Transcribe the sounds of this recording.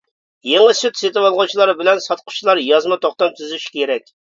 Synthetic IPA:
jeŋɨsyt̪ʰset̪ɪwolˠʁʊt͡ʃʰilˠɑɾbɪlɛnsɑt̪̚qʰʊ̥t͡ʃʰilˠɑɾjɑzmɑt̪ʰoχt̪ɑmt̪ʰyzyʃi̥kʲʰeɾɛkʲ

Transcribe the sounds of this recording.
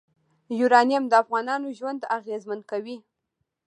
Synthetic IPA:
juɾɑnijamd̪əafɣɑnɑnoʒwand̪aɣezmankawi

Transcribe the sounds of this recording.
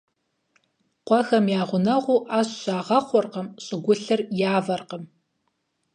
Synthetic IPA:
qʷɔxɐmjaːʁʷʊnɐʁʷuːʔaːɕɕaːʁɐχʷɔrqəmɕʼɪɡʷʊɬɨrjaːvɐrqəm

